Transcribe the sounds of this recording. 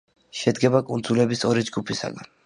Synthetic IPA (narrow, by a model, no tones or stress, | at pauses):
ʃɛd̪ɡɛbakʼund̪zulɛbisɔɾid͡ʒɡupʰisa̰ɡan